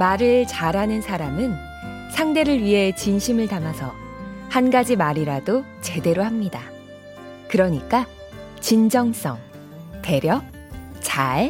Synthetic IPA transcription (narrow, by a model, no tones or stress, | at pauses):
maɾɯɭt͡ɕaɾɦanɯnsʰaɾamɯn | sʰaŋde̞ɾɯɭɥiɦe̞t͡ɕinɕʰimɯɭtamasʰʌ | hanɡad͡ʑimaɾiɾado | t͡ɕe̞de̞ɾoɦamɲida | kɯɾʌɲik͈a | t͡ɕind͡ʑʌŋs͈ʌ̰ŋ | te̞ɾjʌ | t͡ɕae